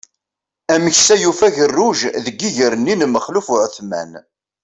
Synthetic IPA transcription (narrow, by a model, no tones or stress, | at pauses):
æməçsæjufæʝərːʊʒðəɡːiʝəɾənːinməχlufʊʕθmæ̰n